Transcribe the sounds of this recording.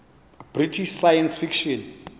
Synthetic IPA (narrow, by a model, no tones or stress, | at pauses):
b̥ritʰiʃsajansfikʃɔn